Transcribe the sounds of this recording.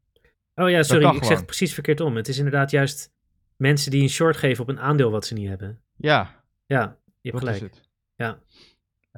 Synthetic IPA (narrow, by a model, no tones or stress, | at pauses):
ʔowjaːsɔriɪksɛχət̚prə̥sisfəɹkɪːɹtɔmətɪs̬ɪndəɹdaːtjœɥst | mɛnsədiənʃɔɹtχejvənɔpənaːndɪːlˠʋɑtsəniɦɛbən | jaː | jəɦɛpχəllɛjk | ja